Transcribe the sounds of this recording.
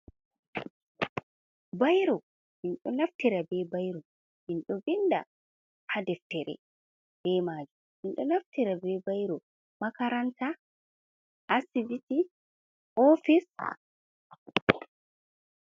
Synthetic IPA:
bajɾɔ | ʔinɗɔnaftiɾabɛːbajɾɔ | ʔinɗɔbinda̰ | hadɛftɛɾɛ̰ | b̥ɛːmaːd͡ʒu | ʔinɗɔnaftiɾabɛbajɾɔ | makaɾanta | ʔasiviti | ɔfis

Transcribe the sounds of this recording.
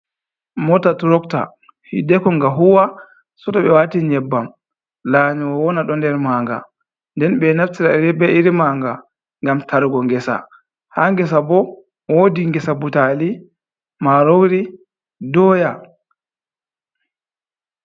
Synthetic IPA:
mɔtatuɾɔkta̰ | hidɛkɔŋɡaɦuwa | sɔtɔɓɛwatiɲɛbːam | laːɲiwawɔnaɗɔndɛɾmaːŋɡa̰ | ndɛnɓɛnaftiɾaɾɛbɛiɾimaːŋɡa | ŋɡamtʰaɾɡɔŋɡɛsa̰ | haːŋɡɛs̬abɔ | wodiŋɡɛsabutali | maɾowɾi | dɔːja

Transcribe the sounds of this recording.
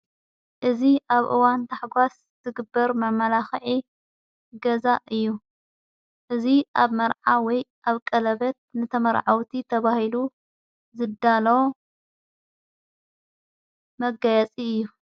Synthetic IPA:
ʔɨziʔaβʔɨ̰want̪ʰaħɡʷas | z̥ɨɡɨbːɐɾmɐmɐlaxʕi | ɡɐzaʔɨjːu | ʔɨziʔaβmɐɾʕawɔjʔaβkʼɐlɐβɐt̪̚nɨt̪ʰɐmɐɾʕawt̪ʰit̪ʰɐβahilu | zɨd̪ːalɐw | mɐɡajɐt͡sʼiɨjːu

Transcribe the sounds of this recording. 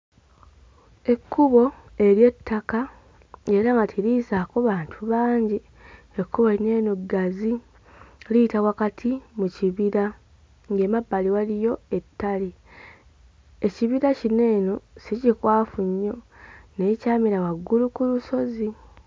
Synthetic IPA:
e̞kʰːuβo̞ | e̞ɾje̞tːaka | e̞ɾaŋɡatʰilizakoβaːntʰuβaːɲɟi | ekːuβoine̞ːnoɡazi | litawakatʰimuciβiɾa | ŋɡemabːaliwalijo̞e̞tːali | e̞ciβiɾacine̞ːno̞sicikwaːfuɲːo̞ne̞ːcaːmiɾawaɡːulukuluso̞zi

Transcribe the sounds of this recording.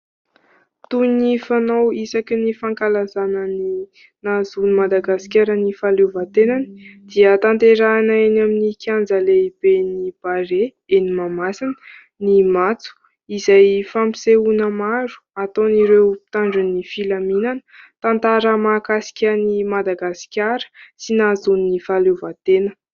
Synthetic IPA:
t̪unifanowisakinifaŋkalazanəni | nazunimad̪aɡasi̥kʲaɾənifalevat̪enanid̪̥iət̪ant̪eɾaːnaenaminikʲjand͡zəleib̥enib̥aɾe | enimamasinə̥ | nimat͡su̥ | izajfampiseunəmaɾu̥at̪oniɾewpi̥t̪aɳɖ͡ʐunifilaminant̪ant̪aɾəmakasi̥kʲanimad̪aɡasi̥kʲaɾə̥sinazunːifalevat̪enə̥

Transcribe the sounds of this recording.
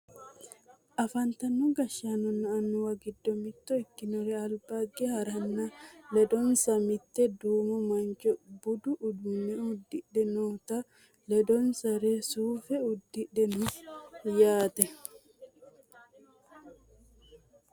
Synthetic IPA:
ʔɐfɐnt̪ɐnːuɡɐʃːanɔnːaːnːʊwɐɡɪd̪ːɔmɪt̪ːɔɪkːɪnɔɾɛɐlbaɡɛhɐɾɐnːɐlɛd̪ɔnsɐmɪt̪ːɛd̪uːmɔmɐnt͡ʃɔbʊd̪uʔːd̪unɛd̪ːɪɗɛnot̪ɐ | lɛd̪ɔnsɐɾɛsuːfɛʊd̪ːɪɗɛnʊjaːt̪ɛ

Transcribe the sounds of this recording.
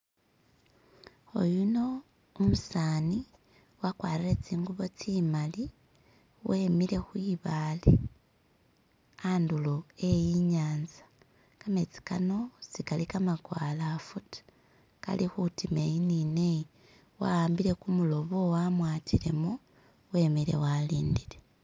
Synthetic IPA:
ojuno̞ | umusaːni | wakwaːɾiɾe̞t͡siːŋɡuβo̞t͡simali | we̞mile̞xwiβale | andulo̞e̞jiɲaːnzḁ | kame̞t͡si̥kano̞t͡sikalikamaɡwaːlafutu̥ | ka̰lixutimejinine | wa̰waːmbiɾe̞kumulo̞βowamwaːtile̞mo | we̞ːmiɾe̞̰waliːndile

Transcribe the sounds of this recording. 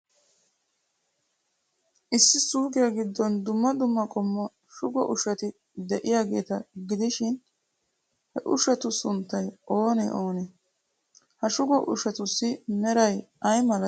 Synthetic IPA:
ʔɪsːɪsuːɡɪjaɡɪd̪ːɔnd̪ʊmːɐd̪ʊmːɐkʼɔmːɔ | ʃʊɡɔʔʊʃɐt̪ɪ | d̪ɛʔɪjaːɡe̞ːt̪ɐɡɪd̪ɪʃɪn | hɛʔʊʃɛt̪ʊsʊnt̪ːɐjʔo̞ːnɛ̰ʔoːnɛ | hɐʃʊɡɔʔʊ̰ʃɛt̪ʊsːɪnɛɾɐj | ɐjmɐlɐ

